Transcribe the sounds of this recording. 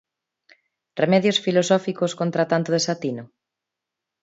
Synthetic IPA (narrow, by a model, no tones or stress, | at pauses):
remɛðjosfilosɔfikoskont̪ɾat̪ant̪ʊðesat̪ino